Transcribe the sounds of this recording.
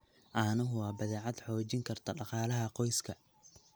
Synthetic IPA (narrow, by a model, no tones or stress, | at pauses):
ʔɐnɐɦʊwɑːbɐðɛːʕɑd̪ħɔːt͡ʃɪŋkʰɐrt̪ʰɐɖɑqɑːlɐɦɐqɔjskʰɐ